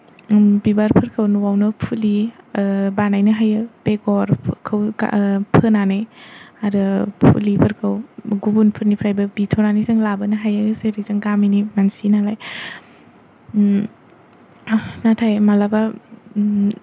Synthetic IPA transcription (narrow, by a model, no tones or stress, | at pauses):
bibaɾpʰɯɾkʰɯwnuwawnɯpʰuli | banajnɯɦajɯb̥eɡɔɾkʰɯwɡa̰pʰɯnaneaɾɯpʰṵlipʰɯɾkʰɯwɡubunpʰɯɾnipʰɾajbɐbitʰɔnanizɯŋlabɯnɯɦajɯzeɾizɯŋɡaminimansinalaj | natʰajmalaba